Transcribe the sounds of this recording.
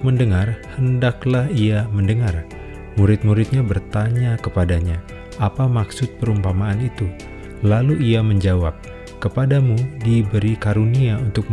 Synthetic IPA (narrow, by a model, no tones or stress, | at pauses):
məndəŋarhəndaklahiaməndəŋar | muɾɪt̪̚muɾɪt̪̚ɲabərt̪aɲakəpadaɲa | apamaksʊt̪̚pəɾumpamaːnit̪u | laluʔiaməɲd͡ʒawap̚ | kəpadamudibəɾikaɾuniaunt̪ʊk̚m